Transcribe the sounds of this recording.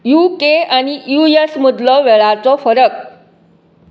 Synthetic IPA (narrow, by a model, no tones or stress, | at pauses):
jukeañijuesmud̪lɔʋɛɭat͡sɔfəɾək̚